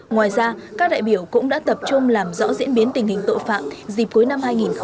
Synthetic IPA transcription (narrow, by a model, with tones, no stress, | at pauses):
ŋwaː˨˩jzaː˧kaː˦˥k̚ɗa̰ː˧˨jɓi˧˩əwkʊ̰˧˥ŋ͡mɗa̰ː˧˥t̪ə˨˩p̚t͡ɕʊ˧ŋ͡mlaː˨˩mzɔ̰˧˥zḭ˧˥ənɓi˨˦ənt̪ï˨˩ŋ̟hi˨˩ŋ̟t̪o̰˧˨jfa̰ː˧˨mzi˨˩p̚ku˨˦jna˧mhaː˧jŋi˨˩nx